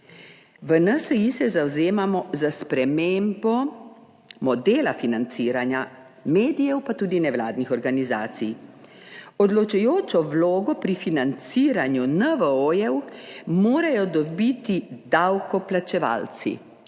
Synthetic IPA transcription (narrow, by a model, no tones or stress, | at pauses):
ʋənəsɛisɛzawzeːmamɔzaspɾɛmeːmbɔ | mɔd̪eːlafinant̪siːɾanja | meːd̪ijɛwpat̪uːd̪inɛwlaːd̪nixɔɾɡaniza̰ːt̪sij | ɔd̪lɔt͡ʃujoːt͡ʃɔwloːɡɔpɾifinant̪siːɾanjunəʋəojɛwmoːɾajɔd̪ɔbit̪id̪awkɔplat͡ʃɛʋa̰ːlt̪sḭ